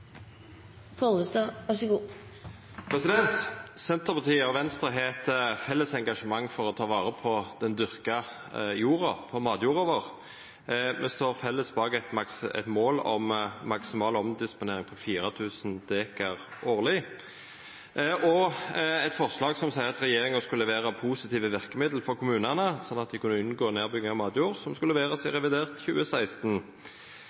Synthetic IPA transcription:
foəst̪əʋɑʂəɡuː | pʰɾɛsɪd̪ɛnt̪sɛnt̪əʁpɑʁt̪ʰiːəɔʋɛnst̪əʁɦeːt̪əfɛlːəsɛŋɡɑʂəmɑŋːfɔʁɔt̪ʰɑːʋɑːʁəpʰɔd̪̥ɛnd̪ʏʁkɑ | juːʁɑpʰɔmɑːd̪juːʁoʋəʁ | mɛst̪oːʁfɛlːəsbɑːɡɛt̪mɑksɛ̰t̪moːlɔ̰mːɑksɪmɑːlɔmd̪ɪspʊneːɾɪŋpʰɔfiːɾət̪ʰʉːsnd̪eːkɑʁʔoːʁlɪ | ʔɔɛt̪fɔʁslɑːɡsɔmsæɪʁɑt̪ɾɛjeːɾɪŋəskʉlːəʋeːɾəpʰuːsɪt̪iːʋəʋɪʁkəmɪd̪l̩fɔɾkʰʊmʉːnɑnəsɔnːɑt̪̚d̪ɪkʰʉnːəʉnɡoːneːʁbʏɡɪŋɑmɑːd̪juːʁsɔmskʉlːəʋeːʁɑsɛɪʁɛʋɪd̪eːʁt̪çʉːəsæɪst̪n

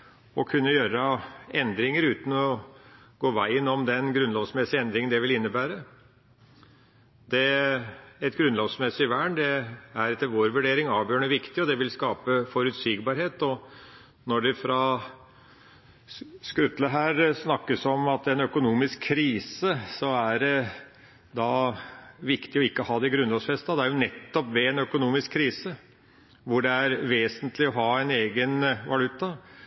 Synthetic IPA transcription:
ɔkʰʉnːəjøːɾəɛnd̪ɾɪŋəɾʉːt̪n̩ɔ | ɡ̥oːʋæɪɪnɔmd̪ɛnɡɾʉnloːʋsmɛsɪɛnd̪ɾɪŋənd̪ɛʋɪlɪnːəbæːɾə | d̪ɛ | ɛt̪ɡɾʉnloːʋsmɛsːɪɪʋæːɳd̪ɛæɾɛt̪ːəɾʋoːɾʋʉɖeːɾɪŋɑːʋjøːɳəʋɪkt̪ɪɔd̪ɛʋɪlskɑːpəfɔɾʉt̪siːɡbɑːɾheːt̪ɔ | nɔɖɛfɾɑ | skɾʉt̪ləɦæːɾsnɑkːəsɔmɑt̪ɛnœkʊnuːmɪskʰːɾiːsəsɔæɾɛ | d̪ɑ | ʋɪkt̪ɪɔɪkːəɔhɑːd̪ɛɪɡɾʉnlɔsfɛst̪ɑd̪ɛæɾjʊnɛt̪ːɔpʋɛɛnœkʊnuːmɪskkʰːɾiːsə | ʋʊɖɛæɾʋeːsənt̪lɪɔɦɑːɛɪneːɡənʋɑlʉt̪ːɑ

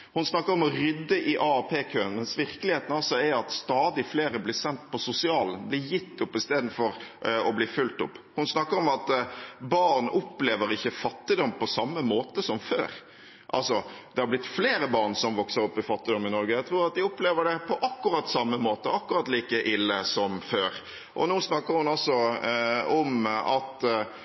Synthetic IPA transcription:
hʊnsnɑkːəɾɔmɔɾʏd̪ːəʔɪʔɑɑpʰeːkʰøːənmɛnsʋɪɾkəlɪheːt̪n̩ɑlsɔæɑt̪st̪ɑːd̪ɪfleːɾəblɪːsɛnt̪pɔsʊsɪɑːln̩blɪːɾjɪt̪ːʊpːɪst̪eːd̪n̩fɔɾɔbliːfʉlt̪ʊpːhʊnsnɑkːəɾɔmɑt̪bɑɾnʔʊpleːʋəɾɪçːəfɑt̪ːɪd̪ɔmːpɔsɑmːəmoːt̪əsɔmfø̰ːɾ | ʔɑ̰lsɔd̪ɛhɑɾblɪt̪ːfleːɾəbɑʁnsɔmʋɔksəɾɔpːɪfɑt̪ːɪd̪ɔmːɪnɔɾɡəjæɡt̪ʰɾuːɾɑt̪̚d̪ɪʊpleːʋəɖɛpʰɔʔɑkːʉɾɑt̪ːsɑmːəmoːt̪əɑkːʉɾɑt̪ːliːkəʔɪlːəsɔmføːɾ | ʔɔ̰noːsnɑkːəɾhʊnɑlsɔ | ɔmɑ̰t̪

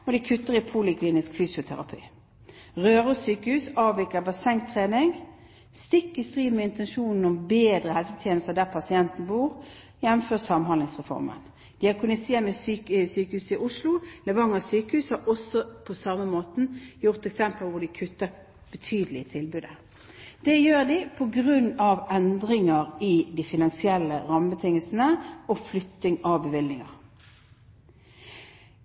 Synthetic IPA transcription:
ɔd̪ɪkʰʉt̪ːəʁɪpʰulɪkʰliːnɪskfyːsɪʊt̪ʰæ̰ʁɑ̰pʰy̰ː | ʁøːʁəsyːkəhʉːsɑːʋʋɪkəbɑsɛŋt̪ʰːʁeːnɪŋ | st̪ɪkːɪst̪ʁiːd̪mɛɪnt̪ɛnʃuːnn̩ɔmbeːd̪ʁəhɛlsət̪ʰjeːnəst̪əd̪æʁpʰɑsɪɛnt̪n̩buːʁ | jɛnːmføːʁsɑmhɑnlɪŋsʁɛfɔ̰ʁmə̰n | d̪̥ɪɑkʰʉnɪseːmɛsysyːkəhʉːsɪʔʊʂlʊlɛʋɑŋːɑsyːkəhʉːshɑɔsɔpʰɔsɑməmoːt̪n̩jʊʁt̪ɛksɛmpəlʋʊd̪ɪkʰʉt̪ːəʁ | b̥ət̪ʰyːd̪əlɪət̪ʰɪlbʉːd̪ə | d̪̥ɛjøːʁd̪ɪpʰɔɡʁʉnːɑʋɛnd̪ʁɪŋɑʁɪd̪ɪfɪnɑnsɪɛlːəʁɑməbət̪ʰɪŋːəlsn̩əɔflʏt̪ːɪŋɑʋbəʋɪlnɪŋɑ̰ʁ

